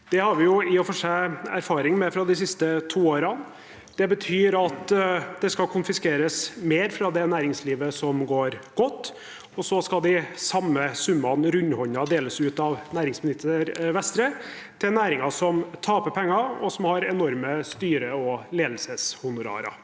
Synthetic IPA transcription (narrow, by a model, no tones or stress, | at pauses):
d̪̥ɛhɑɾʋɪjʊɪɔfɔʂææɾfɑːɾɪŋmɛfɾɑd̪ɪsɪst̪ət̪ʰuːoːɾɑn | d̪̥ɛbət̪ʰyːɾɑt̪d̪̥ɛskɑkʰʊnfɪskeːɾəsmeːɾfɾɑd̪ɛnæːɾɪŋsliːʋəsɔmɡoːɾɡ̥ɔt̪ː | ɔsɔskɑld̪ɪsɑmːəsʉmːɑnɾʉɲːhɔɲɑd̪eːləsʉːt̪ɑʋnæːɾɪŋsmɪnɪt̪əɾʋɛst̪ɾə | t̪ʰɪlnæːɾɪŋɑsɔmt̪ʰɑːpəpʰɛŋːɑɔsɔmhɑɾɛnɔɾməst̪yːɾəɔleːd̪l̩səshʊnʊɾɑ̰ːɾɑ̰